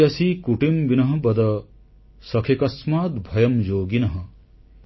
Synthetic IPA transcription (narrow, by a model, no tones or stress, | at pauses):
ɐsikuʈimʋinɐɦɐ̆bɐd̪ɐ | sɐkʰekɐsmaːt̪bʱɐjɐmjoːɡinɐɦɐ̆